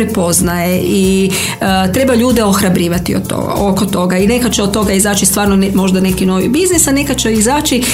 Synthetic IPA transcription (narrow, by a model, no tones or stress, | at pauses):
ɾepo̞znajeʔi | t̪ɾe̞baʎuːd̪eo̞xɾabɾiːʋat̪ioo̰okot̪o̞ɡaine̞kat͡ʃeot̪̚t̪ːo̞ɡaizaːt͡ʃist̪ʋaːɾnonmo̞ʒd̪ane̞kino̞ʋḭbiznisane̞kat͡ʃeizaːt͡ʃi